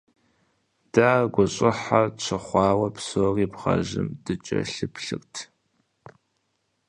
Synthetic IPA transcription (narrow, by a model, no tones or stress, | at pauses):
d̥aːɡʷɔɕʼɪħat͡ɕʷʰɨχʷɑːwɐpsoːriːpʁɐ̰ʑɪ̰md̥ɨt͡ʃʼɐ̰ɬɨpʰɬɨ̰rtʰ